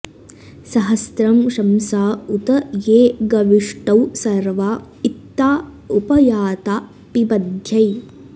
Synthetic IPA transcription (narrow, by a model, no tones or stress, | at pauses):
sɐɦɐst̪ɾɐmʂɐmsaːut̪ɐjeːɡɐʋiʂʈɐwsɐɾʋaː | it̪ːaː | upɐjaːt̪aː | pibɐd̪ʱjɐj